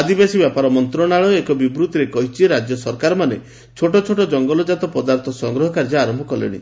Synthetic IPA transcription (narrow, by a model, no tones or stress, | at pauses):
ad̪ibasibjapaɾɔmɔnt̪ɾɔɽ̃aɭɔekɔbibɾut̪ɾekɔɦit͡ʃʰiɾad͡ʒjɔsɔɾkaɾɔmane | t͡ʃʰoʈɔt͡ʃʰoʈɔd͡ʒɔŋɡɔlɔd͡ʒat̪ɔpɔd̪aɾt̪ʰɔsɔŋɡɾɔɦɔkaɾd͡ʒɔaɾɔmbʱɔkɔlḛɽ̃ḭ